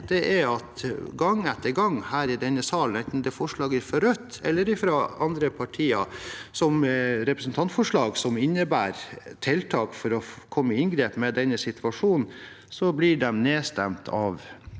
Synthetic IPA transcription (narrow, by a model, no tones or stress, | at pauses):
d̪ɛʔæɾɑt̪ɡɑŋːɛt̪ːəɾɡɑŋːhæːɾɪd̪ɛnːəsɑːlnɛnt̪n̩d̪ɛfɔʂɭɑːɡæɾfɔɾœt̪ʰːɛ̰lːəɾɪfɾoːɑnd̪ɾəpʰɑʈʰiːɑsɔmɾɛpɾəsn̩t̪ʰɑnt̪fɔʂɭɑːɡsɔmɪnːəbæːɾt̪ʰɛlt̪ʰɑːkfɔɾɔkʰɔmːəɪnɡɾeːpmɛd̪ɛnːəsɪt̪ʉɑʂuːnn̩ | sɔblɪɖɛmneːst̪ɛmt̪ʰɑ̰ːʋ